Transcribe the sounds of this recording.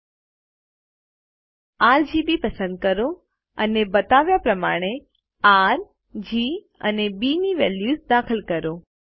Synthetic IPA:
aːɾd͡ʑiːbipɐsə̃nd̪̚kəɾo | ənebɐt̪aːʋjapɾɐma̰ːɽ̃e | aːɾ | d͡ʑiː | ə̰nebiːniʋeːljuːzd̪aːkʰəlkɐɾoː

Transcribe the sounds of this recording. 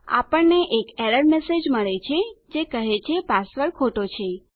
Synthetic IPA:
a̰pəɳneʔekɛɾəɽmesed͡ʒməɭet͡ʃʰed͡ʒekəɦet͡ʃʰepasʋəɭkʰoʈot͡ʃʰe

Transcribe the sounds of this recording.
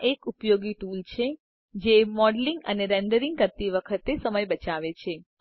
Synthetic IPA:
ʔekupjoɡiʈult͡ʃʰe | d͡ʒemɔɖliŋɡə̰neɾeɳɖəɾĩŋɡ̚kəɾt̪iʋəkʰət̪esəməjbət͡ʃaʋet͡ʃʰe

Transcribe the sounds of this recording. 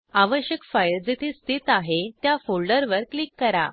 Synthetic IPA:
aʋəɕjəkfajld͡zit̪ʰest̪ʰit̪aɦet̪jafoɭɖəɾʋəɾklikːəɾa̰

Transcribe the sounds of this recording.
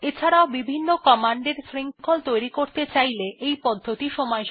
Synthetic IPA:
et͡ɕʰaɾaoʊbibʱinːokɔmaɳɖeɾsɾiŋkʰolt̪ojɾikoɾt̪et͡ɕajleʔejpɔd̪ʱːot̪iʃɔmɔeʃ

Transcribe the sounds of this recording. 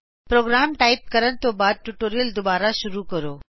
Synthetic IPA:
pɾoːɡɾaːmʈaːɪp̚kəɾən̆t̪oːbaːd̪̚ʈuʈoːɾijəld̪ʊbaːɾaʃʊɾukɐɾoː

